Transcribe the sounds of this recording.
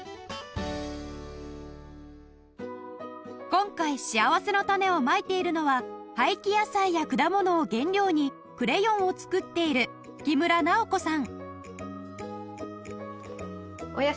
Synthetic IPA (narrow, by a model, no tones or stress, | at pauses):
kõ̞ŋkaiɕiaβase̞no̞t̪ame̞o̞mait̪e̞iɾɯ̟no̞βahaikʲijasaijakɯ̟d̪amo̞no̞ːɡẽ̞nɾʲo̞ːɲ̟i | kɯ̟ɾe̞jõ̞ɰ̃o̞t͡sɨ̥kɯ̟t̪ːe̞iɾɯ̟̥ | kʲimɯ̟ɾanao̞ko̞sãŋ | oja